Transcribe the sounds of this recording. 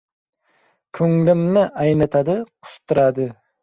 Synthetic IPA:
kʲʰɵŋlɪmnɪʔajnat̪ʰad̪ɪqʰʊ̥st̪ʊɾad̪ɪ

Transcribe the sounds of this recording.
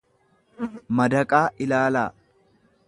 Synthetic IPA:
mɐd̪ɐkʼaːʔɪlaːlaː

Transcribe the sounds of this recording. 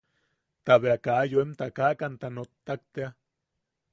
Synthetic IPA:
t̪aβeakaːjoemt̪akakant̪anot̪ːak̚t̪ea

